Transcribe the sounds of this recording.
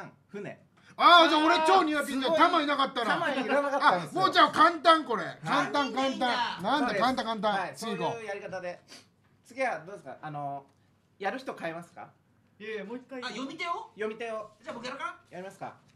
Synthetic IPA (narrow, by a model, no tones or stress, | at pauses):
ãŋ | ɸɯ̟nḛ̃ | aːd͡ʑaːo̞ɾe̞t͡ɕo̞ːɲ̟iap̬ʲĩt͡ɕat̪amainakat̪ːaɾaaakaamoːd͡ʑaːkãnt̪̬ãŋko̞ɾekãnt̪ãŋkãnt̪̬ãnãnd̪akãnt̪̬ãkãnt̪̬ãasiːɡojaɾʲikat̪ad̪e | t͡sɨɡʲiad̪oːd̪eska̰ano | jaɾɯ̟çi̥t̪o̞kaemasɨ̥ka̰ | jomʲit̪eojomʲit̪eod͡ʑabokkaajaɾʲimasɨ̥ka̰